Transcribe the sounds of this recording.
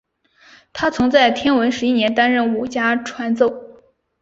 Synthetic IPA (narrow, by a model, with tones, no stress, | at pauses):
t̪ʰa˥t͡sʰʊ˧˥ŋt͡sa˥˩ɪt̪ʰjɛ˥nwə˧˥nʂɻ̩˧˥i˥˩njɛ˧˥nt̪a˥nɻə˥˩nu˨˩t͡ɕja˥ʈ͡ʂʰwa˧˥nt͡so˥˩ʊ